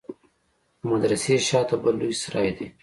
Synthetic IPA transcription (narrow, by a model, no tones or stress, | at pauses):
mad̪ɾaseʃɑt̪abalːujsɾɑ̰ːjd̪e